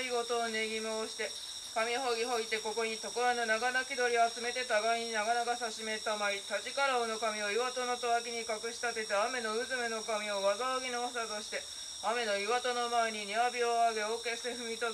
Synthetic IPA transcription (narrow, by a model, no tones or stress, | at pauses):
iɡo̞t̪o̞ːneɡʲimɯoɕi̥t̪e̞ | kamʲiɦo̞ɡʲiɦo̞it̪ːe̞ko̞ko̞ɲ̟it̪o̞koβanonaɡanakʲid̪o̞ɾʲioat͡sɨme̞t̪e̞t̪aɡaiɲ̟inaɡanaɡasaɕime̞t̪ːamait̪at͡ɕikaɾaono̞kamʲio̞iβat̪o̞no̞t̪oβak̬ʲiɲ̟ikakɯ̟ɕi̥t̪at̪e̞t̪eame̞no̞ɯ̟zɨmeno̞kamʲio̞βazaoɡʲinoasat̪oɕi̥t̪e̞ | ame̞no̞iβat̪o̞no̞mae̞ɲ̟iɲiabʲioaɡe̞o̞ːke̞sɨ̥t̪eɸɯ̟mʲit̪o